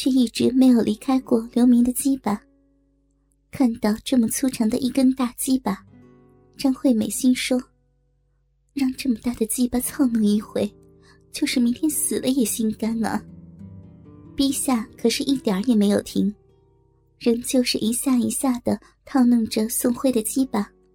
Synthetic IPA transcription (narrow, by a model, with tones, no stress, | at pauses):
t͡ɕʰɛ˥˧i˥˩ʈ͡ʂɻ̩˧˥me˧˥ɪjo˨˩ʊlʔi˧˥kʰa˥ɪkwɔ˥˩ljo˧˥mi˧˥ŋd̪ə˨t͡ɕi˥pa˨˩ | kʰa˥˧nt̪ɑ˥˧ʊʈ͡ʂɤ˥˩mə˨˩t͡sʰu˥ʈ͡ʂʰɤ˧˥ŋd̪ə̰˧ʔi˥˩kə˥nt̪a˥˩t͡ɕi˥pa˩ | t͡ɕjɑ˥ŋxwe˥˩ɪme˨˩ɪɕi˥nʂwɔ˥ | ɻɑ˥˧ŋʈ͡ʂɤ˥˩mə˩t̪a˥˩d̪ə˩t͡ɕi˥pa˧˩t͡sʰɑ˥˧ʊnɤ˥˧ŋi˥˧xwe˥˩ɪ | t͡ɕjo˥˧ʊʂɻ̩˥˩mi˧˥ŋt̪ʰjɛ˥nsɹ̩˨˩lə˦jɛ˨˩ɕi˥nka˥nə̰˧˩ | pi˥ɕja˥˩kʰɤ˨˩ʂɻ̩˥˧ʔi˥˩t̪jə˞˨˧˥jɛ˨˩me˧˥ɪjo˨˩ʊt̪ʰi˧˥ŋ | ɻə˧˥nt͡ɕjo˥˧ʊʂɻ̩˥˩ʔi˧˥ɕja˥˩i˧˥ɕja˥˩d̪ə˩ | t̪ʰɑ˥˧ʊnɤ˥˩ŋʈ͡ʂə˨sʊ˥˧ŋxwe˥˩ɪd̪ə˩t͡ɕi˥pa˨˩